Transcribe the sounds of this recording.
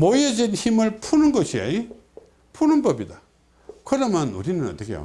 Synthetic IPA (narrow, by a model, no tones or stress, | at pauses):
mojed͡ʑinçimɯɭpʰunɯnɡʌɕʰia̰i | pʰunɯnbʌbida | kɯɾʌmjʌnṵɾinɯnʌ̰t͈ːʌkʰejo̰